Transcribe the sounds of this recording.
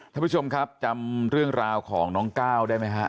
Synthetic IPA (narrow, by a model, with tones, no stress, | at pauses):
k̪ʰaː˥˩pʰu˥˩o˧mkʰa˦˥p̚t͡ɕa˧mɾɯ˥˩əŋɾaː˧wkʰɔː˩˦ŋnɔː˦˥ŋkaː˥˩wdaː˥˩jma˦˥jkʰa˦˥